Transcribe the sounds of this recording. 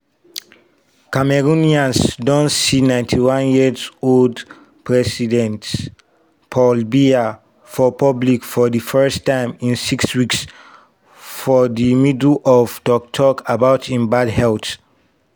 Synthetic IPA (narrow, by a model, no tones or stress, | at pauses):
kamɛɹuniãnsdɔ̃nsinãɪ̃ntʰiwãnjizold | pʰɹɛsidɛ̃nt | pʰɔlbia | fɔpɔblikfɔðɨfɜ˞stãɪ̃mĩnsikswiks | fɔðimidlɔvdɔk̚tʰɔkabaʊtʰĩnbadhɛlt